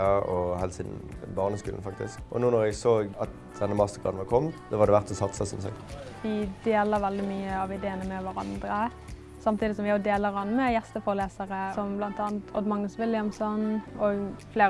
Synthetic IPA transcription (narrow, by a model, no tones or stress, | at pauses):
ɑɔhɛlsiːd̪n̩bɑʁnəskʉ̰ːn̩fɑk̚t̪ɪ̰skʔɔ̰nuːnɔʁɛɡsoːɑt̪̚ | d̪̥ɛnːəmɑst̪əɡʁɑ̰d̪n̩ʋɑʁkʰɔmsɔʋɑʁd̪ɛʋæʁt̪sɔsɑt̪ːsəsɔmsɛ̰k̪ʋɪd̪eːləɾʋɛld̪ɪmyːəɑʋɪd̪eːənəmɛʋæɾɑ̰nd̪ɾə | sɑmt̪ʰiːd̪ɪsɔmʋɪjʊd̪eːləɾɑnːmɛjɛst̪əfɔɾəleːsəʁəsɔmblɑnt̪ɑːnt̪ʰɔ̰d̪mɑŋːəsʋɪlːɪəmsɔnɔɡfleː